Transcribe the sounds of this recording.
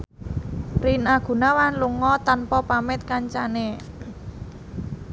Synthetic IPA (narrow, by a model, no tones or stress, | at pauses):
rinaɡ̥ṳnawanluŋɔt̪anpɔpamɪt̪̚kaɲt͡ʃane